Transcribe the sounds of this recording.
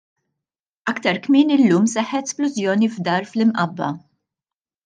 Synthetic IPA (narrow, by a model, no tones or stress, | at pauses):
ɐkt̪ɐɾkmɪːnɪlːuːmsɛħːɛt̪splʊzjɔːnivd̪ɐːɾflɪmʔɐbːɐ̰